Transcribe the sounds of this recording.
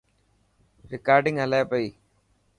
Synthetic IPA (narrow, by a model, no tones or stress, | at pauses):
ɾɪkaːɾɖɪ̃ŋɡɦəlaːapɐiː